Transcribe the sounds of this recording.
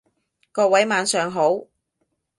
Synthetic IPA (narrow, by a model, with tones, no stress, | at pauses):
kɔː˧wɐ˨˥jmaː˨˧nsœː˨˧ŋɦo˨˥w